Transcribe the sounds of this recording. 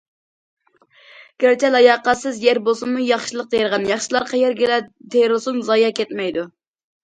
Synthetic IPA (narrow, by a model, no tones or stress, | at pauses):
ɡ̥ʲæɾt͡ʃɛlɑjɑqɑt̪sɨzjɛɾbosunmujɑχʃilˠəq̚d̪ejɾʁɑnjɑχʃilˠɑɾqʰɑjɛɾɡʲɪlɛd̪ejɾɨlˠɨsumzɑjɑkʲɛt̪mɛjd̪u